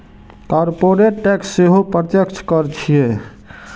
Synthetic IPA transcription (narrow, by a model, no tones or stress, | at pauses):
kɔɾpoɾeʈːɛksːeɦopɾət̪jəkt͡ʃʰkəɾt͡ʃʰije